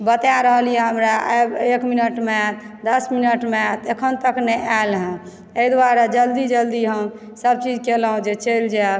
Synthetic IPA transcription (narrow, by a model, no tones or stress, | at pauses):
bət̪jaɾəɦəlijɛɦəmɾaʔabekminəʈmet̪ | d̪əsminəʈmet̪ekʰənt̪əknɛʔalɦɛ̃ | eid̪waɾad͡ʒəld̪id͡ʒəld̪iɦəm | səb̚t͡ʃid͡ʒkelɦũd͡ʒet͡ʃeld͡ʒa